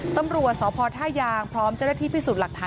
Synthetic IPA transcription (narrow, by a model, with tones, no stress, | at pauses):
t̪a˧mɾu˨˩ət̪̚sɔː˩˦pʰɔː˧t̪ʰaː˥˩jaː˧ŋpʰɾɔː˦˥mt͡ɕa˥˩na˧t̪ʰiː˥˩piː˥˩suː˨˩t̪̚la˨˩k̚t̪ʰaː˨˧